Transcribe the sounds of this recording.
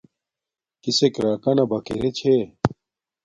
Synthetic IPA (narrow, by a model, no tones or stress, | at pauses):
kisekɾaːkɐnɐbɐkeɾet͡ɕʰe